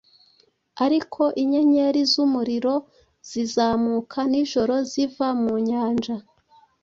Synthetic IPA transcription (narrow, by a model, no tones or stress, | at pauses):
aɾikʰo̞ʔiɲeɲe̞ɾizumuɾiɾo̞ | z̥izaːmukʰaniʒ̥o̞ɾo̞zivamuɲaːnd͡ʒa